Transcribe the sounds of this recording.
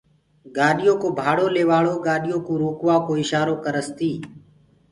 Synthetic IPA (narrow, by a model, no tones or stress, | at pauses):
ɡaːɗɪjoːkoːbʱaːɽoːleːʋaːɭoːɠaːɗɪjõːkũːɾuːkʋaːkoːɪʃaːɾoːkəɾəst̪iː